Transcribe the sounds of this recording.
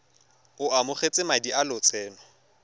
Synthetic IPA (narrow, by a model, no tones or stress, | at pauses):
ʊʔamʊχet͡sʼɪmadiʔalʊt͡sʰʼɛːnɔ